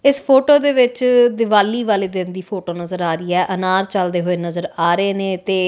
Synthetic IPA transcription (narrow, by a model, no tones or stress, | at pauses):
ɪspʰoːʈoːd̪eːʋɪt͡ʃd̪ɪʋaːliːʋaːleːd̪ɪnd̪iːpʰoːʈoːnəzəɾaːɾiːɛːʔənaːɾt͡ʃəld̪eːɦoːeːnəzəɾaːɾeːnẽːt̪eː